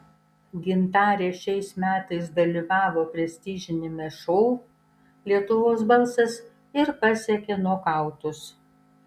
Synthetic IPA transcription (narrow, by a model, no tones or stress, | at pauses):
ɡʲɪnt̪ɑːɾʲeːʃʲɛɪsmʲæːt̪ɐɪsd̪ɐlʲiːʋɑːʋoːpʲɾʲɛsʲt̪ʲiːʒʲɪnʲɪmʲɛʃɔʊ | lʲiɛt̪ʊʋoːsbɐlˠsɐs | ɪɾpɐsʲɛkʲenuɔkɑˑʊt̪ʊs